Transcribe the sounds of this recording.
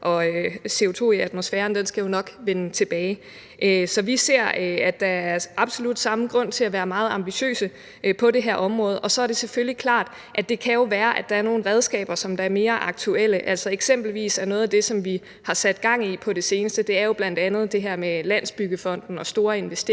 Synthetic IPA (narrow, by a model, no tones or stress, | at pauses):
ʔɒ̽se̝o̝t͡sʰo̝̰ːiæd̥mo̝sfæːɐnd̥ensɡ̥æjo̝nɒ̽ɡ̥ʋenət͡sʰe̝b̥ɛːɪ | ʔøsɒ̽ʋise̝ɐ̰æd̥ɑ̈æɐʔɑ̈b̥so̝lud̥sɑ̈məɡ̥ʁɔ̽n̰t͡sʰe̝læʋæːɐmɑ̈ːð̞̩ˠɑ̈mb̥iɕø̰ːsə | ʔpʰɒ̽d̥ɾe̝ɦæɐʔɒ̽mʁɔ̽ːð̩ˠʔɒ̽sɒ̽æɐɾ̥e̝seføljikʰlɑ̰̈ːd̥ | ʔæd̥e̝kʰæjo̝ʋæːɐʔæd̥ɑ̈æɐno̝ːn̩ʁɛð̞ˠsɡ̥ɛ̰ːb̥ɐsɒ̽md̥ɑ̈æɐme̝ːɐʔɑ̈ɡ̥̚t͡sʰuel̰əʔæl̰sɒ̽eɡ̥sem̰b̥l̩ʋḭːsæɐnɔ̽ːðˠæd̥e̝sɒ̽mʋi | hɑ̈sæd̥ɡ̥ɑ̈ŋ̰ipʰɒ̽ɾ̥e̝se̝ːnəsd̥əd̥e̝æɐjo̝b̥læn̰d̥ænð̞̩ˠd̥e̝ɦæɐ̰melæn̰sb̥yɡ̥əfɒ̽n̰d̥n̩ɒ̽sd̥o̝ːɐe̝nʋesd̥e